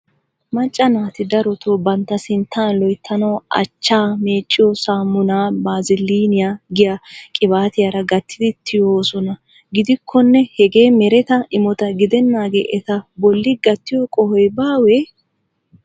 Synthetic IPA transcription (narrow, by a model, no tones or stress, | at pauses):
mɐt͡ʃʼːɐnaːt̪ɪd̪ɐɾɔt̪oːbɐnt̪ːɐsɪnt̪ʰːaːnlɔjt̪ʰːɐnɐːʔɐ̰t͡ʃːaːme̞ːt͡ʃʼːɪjɔsaːmːʊnaːbaːzɪliːnɪjaːɡɪjakʼɪbaːt̪ɪjaɾɐɡɐt̪ːɪd̪ɪt̪ʰːɪjoːsɔnɐ | ɡɪd̪ɪkʰːɔnːɛhɛɡe̞ːmɛɾɛt̪ɐʔɪmɔt̪ɐɡɪd̪ɛnːaːɡḛːʔɛt̪ɐbɔlːɪɡɐt̪ːɪjɔkʼɔhɔjbaːwɛ